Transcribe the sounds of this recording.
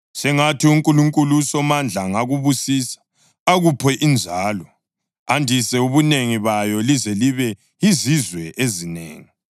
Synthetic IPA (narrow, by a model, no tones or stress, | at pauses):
sɛŋatʰiuŋkʼuluŋkʼulusɔmand͡ɮʱaŋaɣuβusisḁ | aɣupʰɛʔind͡ʒʱaːlɔ | andʱisɛuβuneŋiβajɔlizɛliβɛ | izizwɛʔezinḛːŋi